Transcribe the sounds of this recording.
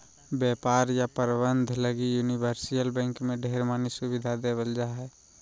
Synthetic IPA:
bjɛːpaːɾjapəɾbənd̪ʱləɡijunibəɾsijəlbɛ̃ːŋkmẽɖʱeːɾmaːnisubɪd̪ʱad̪ebəld͡ʒaɦɛː

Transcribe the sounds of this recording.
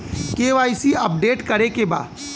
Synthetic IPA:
keːʋaːisiɐp̚ɖeːʈkɐɾekeba̰ːd̪

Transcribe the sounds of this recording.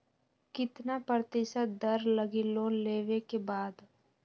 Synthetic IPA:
kɪt̪napəɾt̪ɪːʃət̪̚d̪əɾləɡiloːnleːʋekebaːd̪

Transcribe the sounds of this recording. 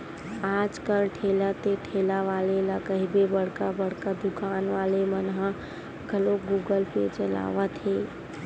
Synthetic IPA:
ad͡ʒkəlʈʰelat̪eʈʰelaʋalelakəɦibebəɽ̤kabəɽkad̪ukaːnʋaːlemənɦə̃ | ɡʱəloɡuɡəlpḛt͡ʃəla̰ːʋət̪ɦe

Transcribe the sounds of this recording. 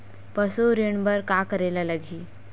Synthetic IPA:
pəsoɾjəɳbəɾkakəɾelalaɡʱiː

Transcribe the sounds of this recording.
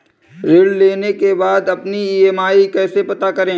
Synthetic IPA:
ɾeːɽleːnekebaːd̪ɐpniieːmaːikɛːsepɐt̪akɐɾẽː

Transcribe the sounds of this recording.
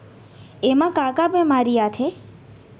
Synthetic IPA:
emãkakabemaɾiat̪ʰe

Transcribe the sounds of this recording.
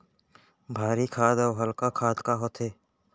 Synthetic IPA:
bʱaːɾikʰaːd̪ɔːɦəlkakʰaːd̪kaɦoːt̪ʰeː

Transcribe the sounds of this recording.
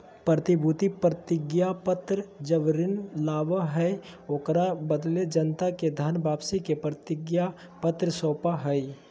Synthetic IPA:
pɾət̪ɪbʱut̪ipɾət̪ɪɡjapət̪ɾəd͡ʒəʋɾɪnlaːʋəɦɛ | oːkɾabəd̪led͡ʒənt̪aked̪ʱaːnbʱaːpsikepɾət̪ɪɡja | pət̪ɾəsoːpaɦəi

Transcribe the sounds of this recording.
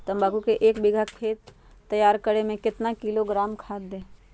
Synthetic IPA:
t̪ɐmbaːɡukeʔeːkbɪɡʱakʰeːt̪ː | ɐjaːɾkəɾemẽkɪt̪nakɪloɡɾaːmkʰaːt̪̚d̪ẽː

